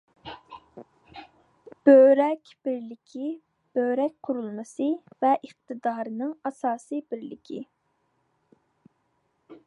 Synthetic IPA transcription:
b̥øɾɛkʲb̥ɪɾlɪkʲʰi | b̥øɾɛk̚ʲqʰʊɾulˠmɨsɨvɛʔəχ̚t̪ʰɨd̪ɑːɾɨnɨŋɑsɑːsɨbɪɾlɪ̰kʲʰḭ

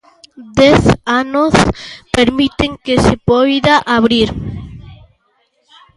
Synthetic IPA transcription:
d̪eθanospeɾmit̪eŋkesepojðaʔaβɾiɾ

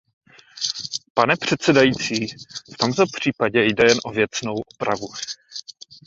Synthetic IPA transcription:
panɛpr̝̥ɛt̪sɛdajiːt͡siːft̪omt̪opr̝̥iːpaɟɛjdɛjɛnʔovjɛt͡sno̞wʔopɾa̰vu

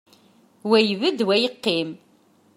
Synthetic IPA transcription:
wæjvəd̪wæjəqːim

